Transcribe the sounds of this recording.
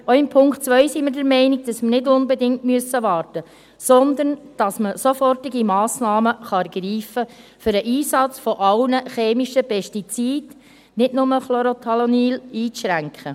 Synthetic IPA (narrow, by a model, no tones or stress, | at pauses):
oɪmpʰʊŋktt͡sʋœʏsiməɾdəɾmɛɪniɡ̚d̥ɑsmənɪdʊnbɛdɪŋtmyəsːəʋɑːrtə | sɔnd̪ənd̥ɑsməsofɔrtiɡimɑːsnɑːməχɑɛɾɡ̥ɾiːfəfʏɾəʔiːsɑt͡sfɔʔɑlnəχeːmiʃəpʰɛʃtit͡siːd̥ | nɪdnʊməχloɾot̪ʰɑloniːliːt͡sʃɾæŋkχə